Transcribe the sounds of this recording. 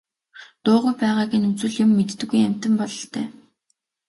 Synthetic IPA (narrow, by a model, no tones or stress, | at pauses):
t̪ʊːʁujpæːʁaːɣiːnut͡sɘ̆ɮjʊmːet̪ːɘ̆ɡujæm̥ʲt̪ə̆mpɔɮɞ̆ɬt̪ʰḛː